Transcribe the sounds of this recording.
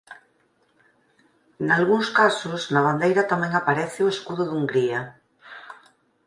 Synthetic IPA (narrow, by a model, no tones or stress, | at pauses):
nalɣuŋskasʊznaβ̞and̪ejɾat̪amɛ̃ŋapaɾɛθɪoeskuðʊðuŋɡɾia